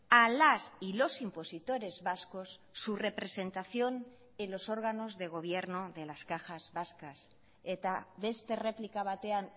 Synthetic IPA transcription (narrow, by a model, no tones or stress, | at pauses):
alasilo̞simpo̞sit̪o̞ɾe̞zβasko̞sːure̞pɾe̞se̞nt̪aθjo̞n | elo̞so̞ɾɣ̞ano̞zðe̞ɣ̞o̞β̞je̞ɾno̞ðe̞laskaxazβaskas | et̪aβe̞st̪e̞re̞plikaβ̞at̪e̞an